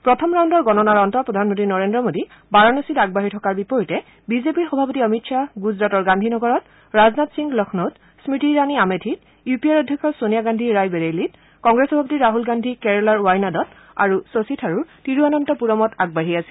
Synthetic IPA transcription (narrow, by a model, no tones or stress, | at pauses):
pɹɔtʰɔmɹawndɔɹɡɔnɔnaɹɔntɔɹpɹɔdʱanmɔntinɔɹendɹɔmodi | baɹɔnɔsitaɡ̚baɦitʰɔkaɹbipɔɹitɛ | bizepiɹxɔbʱapɔtiɔmitsaɡuzɹatɔɹɡandʱinɔɡɔɹɔt | ɹaznatsiŋɡlɔkʰnɔt | smitiɹaniametʰit | jupiaɹɔdʱjɔkʰɔsonijaɡandʱiɹajbeɹelit̚ | kɔŋɡɹesxɔbʱap̬ɔtiɹaɦulɡandʱikɛɹɔlaɹuwajnadɔt | a̰ɹusositʰaɹuɹtiɹianɔntɔpuɹɔmɔtaɡ̚baɦiasi̥